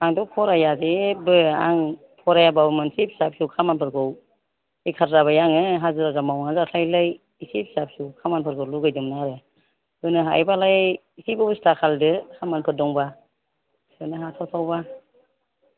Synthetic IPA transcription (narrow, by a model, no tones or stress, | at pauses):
aŋdɔpʰɔɾajazebɯa̰ŋ | pʰɔɾajababɯmɯnsep̚hi̥sap̚hiwkʰamanpʰɯɾɡʰɯw | ikʰaɾɾaβajaŋɯɦazɯɾazamawŋazalajlaj | isip̚hi̥sap̚hsiwkʰamanpʰɯɾɡʰɯluɡajdɯmnaɾɯ | kɯnɯɦa̰jbalaj | isibɯbɯstakʰaldɯkʰamanpʰɯt̚dɔŋba | sʰɯnɯɦatʰawtʰawba